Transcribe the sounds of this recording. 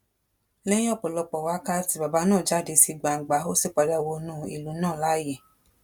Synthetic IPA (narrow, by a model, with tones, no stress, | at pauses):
lɛ̃˦ĩ˦ɔ˦˨k͡pɔ˨lɔ˧k͡pɔ˨wa˨˦ka˦ti˨˧˦ba˨ba˨˦nãː˦˨d͡ʒa˨˦˨de˨˧si˧ɡ͡ba˨ɡ͡ba˨˦o˦si˦˨k͡pa˧da˧wo˧nũ˦ḭ˨lu˨˦nãː˦˨la˨˦je˨